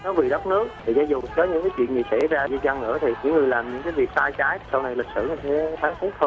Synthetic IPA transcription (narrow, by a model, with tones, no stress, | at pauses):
nɔ˨˦vi˨˩ɗə˦˥k͡p̚nɨ˦˥ək̚tʰi˨˩zaː˨˦zʊ˨˩kɔː˨˦ɲɨ̰˧˥ŋkaː˨˦jt͡ɕwḭ˧˨nɲi˨˩sɛ̰˧˥zaː˧zi˧za˧ŋʔɨ̰˧˩ət̪ʰi˨˩ɲɨ̰˧˥ŋːɨ˨˩əjlaː˨˩mɲɨ̰˧˥ŋk̬aː˨˦jvi˨˩ək̚saː˧jt͡ɕaː˨˦jtʰsa˧wna˨˧jli˨˩k̟̚sɨ̰˧˨ɲɨ˧t̪ʰe˨˦xʰaː˨˦ŋt̪ʰi˦˥t̚t̪ʰo˧